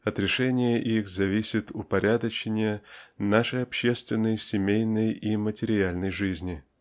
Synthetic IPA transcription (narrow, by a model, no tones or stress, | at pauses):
ɐt̪ɾʲɪʂɛnʲɪjəʔixzɐvʲisʲɪt̪ʊpɐɾʲʔad̪ət͡ɕɪnʲɪjənaʂəjɐpɕːe̞st̪vʲɪnːəjsʲɪmʲejnəjimətʲɪɾʲɪalʲnəjʐɨzʲnʲɪ